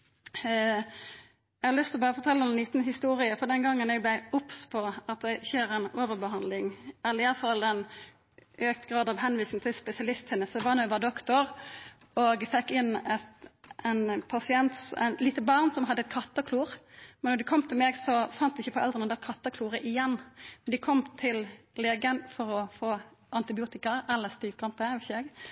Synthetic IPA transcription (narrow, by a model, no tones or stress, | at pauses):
ɛɡhɑɾlʏst̪ɪlɔbɑːɾəfɔɾt̪ʰɛlːəɔmnliːt̪nhɪst̪uːʁɪəfɔd̪ɛnɡɑŋːənɛɡ̚blæɪʊpspʰɔɑt̪̚d̪ɛçeːɾænoːʋəʁbəhɑnd̪lɪŋælɪɑfɑlɛn | øːk̚t̪ɡʁɑːd̪ɑʋɦɛnʋiːsɪŋ̩t̪ʰɪlspɛsɪɑlɪst̪hɛnːəsd̪ɛʋɑnuːɛʋɑːd̪ɔkt̪ɔɾ | oːɡfɛkːɪnːɛt̪ʔɛnpʰɑsɪɛnt̪sænliːt̪əbɑʁnsɔmɦɑd̪ːəɛt̪̚kʰɑt̪ːɑkʰluːʁmɛnːɔd̪ɪkʰɔmːt̪ʰɪlmeːɡsɔfɑnt̪̚d̪ɪɪçəfɔʔɛld̪ʁənəd̪æɛt̪kʰɑt̪ːɑkʰluːɾəʔɪjɛnːmnd̪ɪkʰɔmt̪ʰɪl | leːɡənfɔɾɔfoːʔɑnt̪ɪbɪuːt̪ɪkɑɛlːəst̪iːʋkʰɑmt̪əʋɛsɛɡ